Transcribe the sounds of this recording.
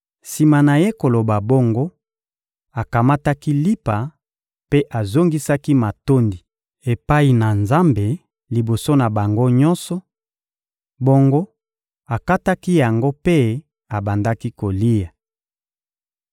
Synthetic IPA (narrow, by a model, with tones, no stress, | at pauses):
si˨ma˨na˨je˦ko˨lo˨ba˨bo˦ŋɡo˦ | a˨ka˨ma˦ta˦ki˦li˦pa˨ | pe˦ʔa˨zo˦ŋɡi˦sa˦ki˦ma˨to˦ndi˨ | e˨pa˦i˨na˨nza˦mbe˨ | li˨bo˨so˦na˨ba˨ŋɡo˦ɲɔ˦nsɔ˨ | bo˦ŋɡo˦ | a˨ka˦ta˦ki˦ja˨ŋɡo˦pe˦ | a˨ba˨nda˦ki˦ko˨li˦ja˨